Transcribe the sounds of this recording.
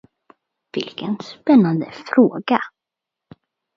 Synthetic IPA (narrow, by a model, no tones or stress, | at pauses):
vɪlkʰənspɛnːand̪əfɾoːɡa